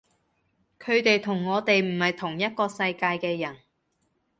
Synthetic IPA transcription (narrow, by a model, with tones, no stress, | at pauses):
kʰɵ˨˧ɥt̪e˨jt̪ʰʊ˨˩ŋːɔː˨˧t̪e˨jm̩˨˩hɐ˨jt̪ʰʊ˨˩ŋjɐ˥t̚kɔː˧sɐ˧jkaː˧jkɛː˧jɐ˨˩n